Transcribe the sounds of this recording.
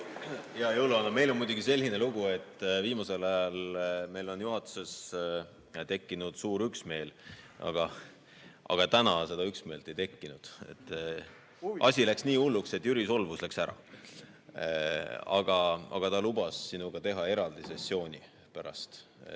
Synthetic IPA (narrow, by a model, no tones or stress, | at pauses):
jɑjolɑnɑme̞jlo̞nmujd̪uɡ̥ise̞lʲhine̞luɡ̥ue̞t̪ːˑviːmɑse̞lɑjɑlme̞jlo̞njuɦɑt̪ːˑu̥se̞s | t̪e̞kːinud̪̥suːɾyksme̞ːlɑ̰ɡ̥ɑ | ɑ̰ɡ̥ɑt̪ænɑse̞d̪ɑyksme̞ːlt̪e̞jt̪e̞kːinud̪̥e̞̰t̪ːˑ | ʔɑ̰sʲilæksniːulːukse̞t̪ːˑjyɾiso̞lvuslæksæɾɑ̰ | ɑ̰ɡ̥ɑɑ̰ɡ̥ɑt̪ɑlub̥ɑsːinuɡ̥ɑt̪e̞ɦɑe̞ɾɑld̪ise̞sːo̞ːnʲi | pæɾɑ̰st̪